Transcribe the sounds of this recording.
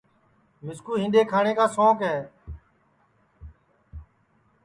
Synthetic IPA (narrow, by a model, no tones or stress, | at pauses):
mɪskuːɦɪ̃ːɗeːkʰaːɳeːkaːsõːkɦɛː